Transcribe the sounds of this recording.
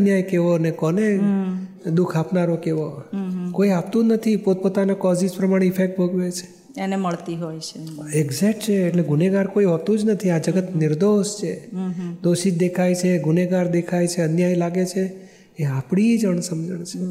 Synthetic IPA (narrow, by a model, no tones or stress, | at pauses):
ənjajkeʋonekɔne | d̪ukʰapnaɾokeʋokoiapt̪ũnət̪ʰipot̪̚pot̪anakɔzispɾəmaɽ̃eifʰek̚ʈ̚bʱəɡʋet͡ʃʰe̥ | eneməɭt̪iɦojt͡ʃʰeeɡzɛkʈt͡ʃʰeːʈleɡuneɡaɾkoiɦɔt̪ũd͡ʒnət̪ʰiad͡ʒəɡət̪nɪɾd̪oʃt͡ʃʰed̪oʃid͡ʒd̪ekʰajt͡ʃʰeɡuneɡaɾd̪ekʰajt͡ʃʰeənjajlaɡet͡ʃʰe | eapɽ̃id͡ʒəɳ̃səmd͡ʒəɳt͡ʃʰe